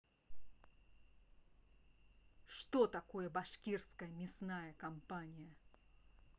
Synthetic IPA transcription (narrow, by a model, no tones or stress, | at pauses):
ʂt̪ot̪ɐkojəbɐʂkʲirskəjəmʲɪsnajɐkɐmpanʲɪjɐ